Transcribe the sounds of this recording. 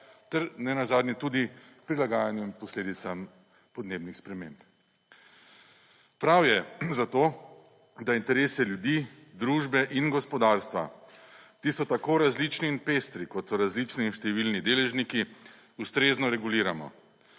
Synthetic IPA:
t̪ɛɾnɛnazaːd̪nʲjɛt̪uːd̪ipɾilaɡaːjanjuimpɔsleːd̪it̪sam | pɔd̪neːbnixspɾɛmẽmp | pɾawjɛzat̪oː | d̪aint̪ɛɾeːsɛljud̪i | d̪ɾuːʒbɛʔinɡɔspɔd̪aɾst̪ʋa̰t̪isɔt̪akoɾazlit͡ʃniːnpeːst̪ɾikɔt̪sɔɾazliːt͡ʃniːnʃt̪ɛʋilnid̪eːlɛʒniki | ust̪ɾeznɔɾɛɡuliːɾamɔ̰

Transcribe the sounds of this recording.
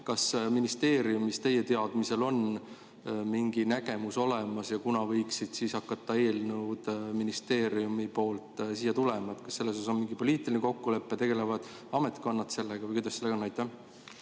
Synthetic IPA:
kɑsminist̪e̞ːɾiumist̪e̞je̞t̪e̞ɑd̪̥mise̞lo̞n | miŋɡinæɡ̥e̞muso̞le̞mɑsjɑkunɑvɤjksid̪̥siːsɑkːɑt̪ːɑe̞ːlnud̪̥minist̪e̞ːɾiumipo̞ːlt̪ˑsijɑt̪ule̞mɑet̪ˑkɑ̥sse̞lːesosso̞nmiŋɡ̥ipo̞liːt̪ˑilineko̞kːule̞pːet̪e̞ɡe̞le̞vɑd̪̥ | ɑme̞t̪ˑko̞nːɑt̪se̞lːeɡ̥ɑvɯjkujd̪ɑseːeɡonːɑjt̪ːˑæh

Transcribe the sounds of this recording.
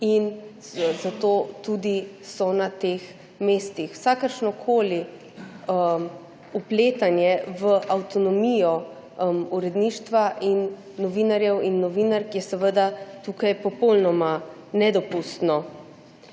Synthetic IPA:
in | zat̪oːt̪ud̪i | sɔnat̪eːx | meːst̪ixw̥sakəɾʃnɔkʰoːli | əm | upleːt̪anjɛʋəʔawt̪ɔnɔmijɔ | muɾɛd̪niːʃt̪ʋaʔinː | ɔʋiːnaɾjɛwinːɔʋiːnaɾkjɛsɛʋəd̪at̪uːkajpɔpɔlnɔma | nɛd̪ɔpust̪nɔ

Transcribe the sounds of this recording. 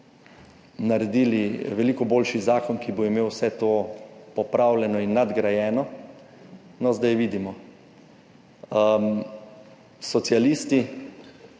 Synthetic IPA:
naɾɛd̪iːliʋɛliːkɔboːlʃizaːkɔnkiboimeːwsɛt̪oːpɔpɾaːwlʲɛnɔinːad̪ɡɾajɛːnɔ | nɔzd̪ajʋiːd̪imɔ | sɔt̪sialiːst̪i

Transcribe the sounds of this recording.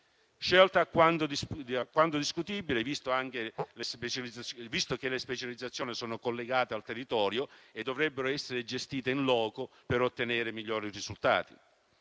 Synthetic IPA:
ʃelt̪aːkːwant̪od̪isakːwant̪od̪iskut̪ibilevist̪oaŋk̟elespet͡ʃaliavist̪ok̟elːespet͡ʃalid̪zat̪sjoːnisoːnokolːeɡaːt̪ealt̪erːit̪ɔːɾjoed̪ːovɾɛbːeɾoɛsːeɾed͡ʒest̪iːt̪einlɔːko | peɾot̪ːeneːɾemiʎːoːɾirizult̪a̰ːt̪ḭ

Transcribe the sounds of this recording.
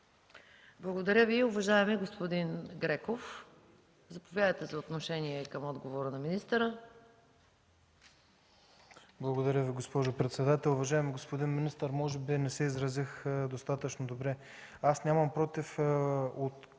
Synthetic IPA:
blˠɐɡod̪ɐɾʲəviʊvɐʒaɛmɛɡospod̪inɡɾɛkof | zɐpovʲjad̪əjt̪ɛzɐot̪noʃɛniɛkɐmɔd̪ɡovoɾənɐminist̪əɾə | blˠɐɡod̪ɐɾʲəviɡospɔʒopɾɛt̪sɛd̪at̪ɛlˠʊvɐʒaɛmiɡospod̪inminist̪əɾmɔʒɛbinɛsɛizɾɐzixd̪ost̪at̪ət͡ʃnod̪obɾɛ | asnʲaməmpɾɔt̪ifot̪

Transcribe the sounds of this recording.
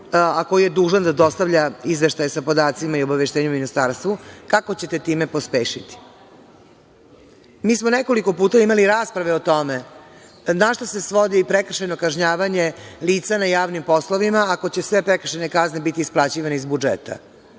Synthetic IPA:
ako̞jijed̪uːʒand̪ad̪o̞st̪aʋʎaizʋe̞ʃt̪ajesapo̞d̪aːt̪simaiobaʋeʃt̪eːɲeminist̪aɾst̪ʋukakot͡ɕe̞t̪e̞t̪iːmepospeːʃit̪i̥ | miːsmoneko̞liko̞puːt̪aimaliɾaːspɾaʋeot̪o̞me | naʃt̪ose̞sʋo̞d̪iipɾekr̩ʃano̞kaʒɲaːʋaɲe̞liːt̪sanajaːʋnimpo̞slˠoʋimaːko̞t͡ɕesʋe̞pɾekr̩ʃene̞kaznebit̪iːsplat͡ɕiːʋaneizbud͡ʒḛt̪ʰa̰

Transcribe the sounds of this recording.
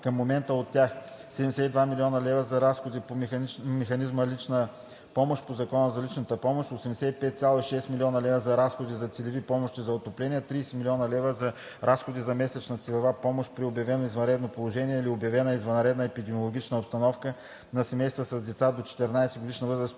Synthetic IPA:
kəmːomɛnt̪əot̪ːjax | sɛd̪ɛmd̪ɛsɛt̪id̪vamilʲiɔnɐlɛvəzɐɾasxod̪ipomɛxɐnizməlit͡ʃnə | pɔmoʃpozɐkɔnəzɐlit͡ʃnət̪əpɔmoʃt̪osɛmd̪ɛsɛt̪ipɛt̪t̪sʲjalˠoiʃɛst̪milʲiɔnɐlɛvəzɐɾasxod̪izɐt̪sɛlɛvipɔmoʃt̪izɐot̪oplɛniɛt̪ɾiːsɛmilʲiɔnɐlɛvəzɐ | ɾʔasxod̪izɐmɛsɛt͡ʃnɐt̪silʲɛvapɔmoʃpɾiobjɐvɛnoizvɐnɾɛd̪nopolˠoʒɛniɛiliobjɐvɛnəizvɐnɾɛd̪nəɛpid̪ɛmiolˠoɡʲit͡ʃnəopst̪ɐnɔfkə | nɐsɛmɛjst̪vəsɐzd̪ɛt̪sad̪ot͡ʃɛ̥t̪ɛɾnajsɛɡod̪iʃnəvɤzɾəs

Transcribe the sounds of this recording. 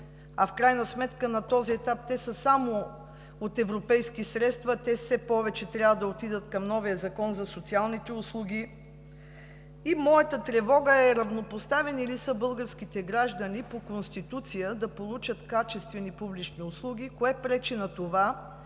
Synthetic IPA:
ɐfkɾajnəsmɛt̪kənɐt̪ɔziɛt̪ap̚t̪ɛsəsamo | ot̪ɛvɾopɛjskisɾɛt̪st̪vɐt̪ɛfsɛpɔvɛt͡ʃɛt̪ɾʲjavəd̪ɐot̪id̪ət̪kɐmnɔvijəzɐkɔnzɐsot̪sialˠnit̪ɛʊslˠuɡʲi | imɔjət̪ət̪ɾɛvɔɡəɛɾɐvnopost̪avɛnilisəbɤlˠɡəɾsk̟it̪ɛɡɾaʒd̪ənipokonst̪it̪ut̪sijəd̪ɐpolˠut͡ʃət̪kat͡ʃɛst̪vɛnipublit͡ʃniʊslˠuɡ̟ʲikoɛpɾɛt͡ʃinɐt̪ova

